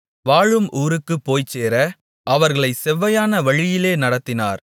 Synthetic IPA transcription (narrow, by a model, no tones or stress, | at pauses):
ʋaːɻɯmʔuːɾɯkːɯpːoːjt͡ʃːeːɾɐ | ʔɐʋɐɾɣɐɭɐɪsɛʋːɐjaːnɐʋɐɻɪjɪleːnɐɽɐt̪ːɪna̰ːɾ